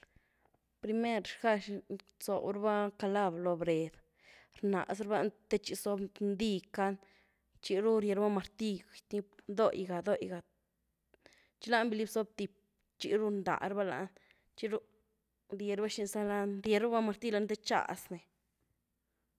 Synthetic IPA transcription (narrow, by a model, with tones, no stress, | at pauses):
pɾi˧me˦ɾʃxa˧ʃ | so̰˨bɾba˦ka˧la˦blo˧bɾe˨d̪ | ɾna̰˨sɾba˦˧t̪e˦t͡ʃi˧so˧bnd̪i˧ka˦n | t͡ʃi˧ɾu˦ɾje˧ɾba˦ma˧ɾt̪i˦˧t̪ni˦d̪o˦jɡa˨d̪o˦jɡa˨ | t͡ʃi˦la˦nbi˧li˦bso˦b̚t̪i˨p̚ | t͡ʃḭ˧ɾu˦nd̪a̰˨ʔɾba˦la̰˧ʔn | t͡ʃi˦ɾu˦ | ɾje˧ɾba˦ʃi˧nsa˦la˦nɾje˧ɾu˦ba˦ma˧ɾt̪i˦la˧˦nd̪e˦t͡ʃa̰˨sne˨